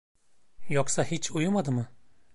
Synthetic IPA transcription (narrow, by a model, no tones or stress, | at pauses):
jɔksahit͡ʃʰujumad̪ɯmɨ